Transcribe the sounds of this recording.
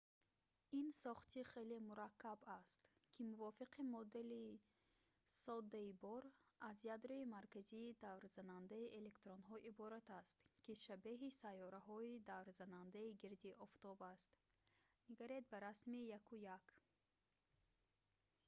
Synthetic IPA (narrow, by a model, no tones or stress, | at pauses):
insɔχt̪ʰiχelemuɾakʰːabast̪kʰimuvɔfiqimɔd̪e̞li | sɔd̪ːaibɔɾazjad̪ɾɔimaɾkaziːd̪avɾz̥anand̪aiʔele̞kt̪ɾonɦɔʔibɔɾat̪ast̪kʰiʃabeɦisajːɔɾaɦɔid̪avɾzanand̪aiɡiɾd̪iʔɔft̪ɔbast̪ | niɡaɾed̪̚baɾasmijakujak